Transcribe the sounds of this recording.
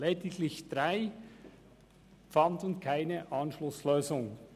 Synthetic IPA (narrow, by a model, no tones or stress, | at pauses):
lɛːdɪɡlɪçd̥ʁaɪ | fɑndnkʰaɪnəʔɑnʃlʊsløːzʊŋ